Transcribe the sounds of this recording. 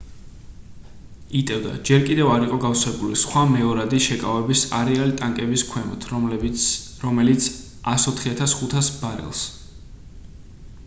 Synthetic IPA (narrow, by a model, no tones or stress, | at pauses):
it̪ʼɛvd̪a̰d͡ʒɛɾkʼid̪ɛvaɾiqʼɔɡafswɛbulisχwamɛɔɾad̪iʃɛkʼavɛbisa̰ɾɛalit̪ʼaŋkʼɛbiskʰwɛmɔ̰t̪ʰ | ɾɔmɛlit̪sʰ | asɔt̪ʰχiat̪ʰasχut̪ʰasbaɾɛ̰lˠs